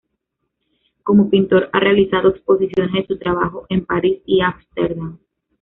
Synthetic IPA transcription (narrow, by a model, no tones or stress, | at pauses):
ko̞mopint̪o̞ɾa̰re̞alisaðoekspo̞sisjo̞ne̞zðesut̪ɾaβaxoʔe̞mpaɾisiamst̪eɾðam